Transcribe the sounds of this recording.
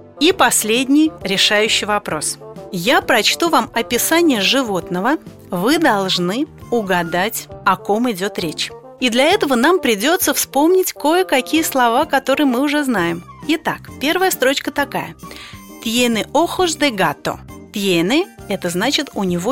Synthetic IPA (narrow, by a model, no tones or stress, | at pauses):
ipɐsʲlʲedʲnʲɪjɾʲɪʂajʉɕːɪjvɐpɾo̞̰sjapɾɐt͡ɕt̪uvamɐpʲɪsanʲɪjəʐɨvo̞t̪nəvə | vɨd̪ɐlˠʐnɨʊɡɐd̪atʲɐko̞mɪdʲo̞t̪ɾʲet͡ɕ | id̪lʲɐɛt̪əvənampɾʲɪdʲo̞t̪səfspo̞mnʲɪtʲko̞jəkɐkʲijəslˠɐvakɐt̪o̞ɾɨjəmɨʊʐɛznajɪmɪt̪akpʲe̞rvəjəst̪ɾo̞t͡ɕkət̪ɐka̰jət̪ʲjenɨʔoxʊʐd̪ɛɡat̪o̰t̪ʲjenɨɛt̪əznat͡ɕɪt̪ʊnʲɪvo